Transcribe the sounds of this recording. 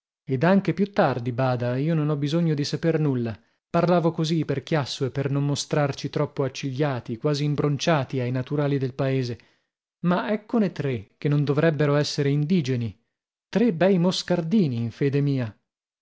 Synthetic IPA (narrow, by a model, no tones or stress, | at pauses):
ed̪aŋk̟epjut̪ːard̪ibaːd̪aiːononɔbizoɲːod̪isapernulːa | parlaːvokoziperk̟jasːoepːernomːost̪ɾart͡ʃit̪ɾɔpːoat͡ʃːiʎːaːt̪ikwaːziːmbɾont͡ʃaːt̪iajnat̪uɾaːlid̪elpaeːze | maɛkːonet̪ɾek̟enːond̪ovɾɛbːeɾoɛsːeɾeind̪iːd͡ʒeni | t̪ɾebɛjmoskard̪iːniːɱfeːd̪emiːa